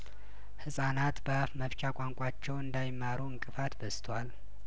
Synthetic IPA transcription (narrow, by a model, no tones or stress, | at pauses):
hɨsʼanat̪bəafməβt͡ʃʼakʷʼaŋkʷʼat͡ʃːɛwɨnd̪ajɪmːaɾuɨŋkʼɨfat̪bəst̪ʰwal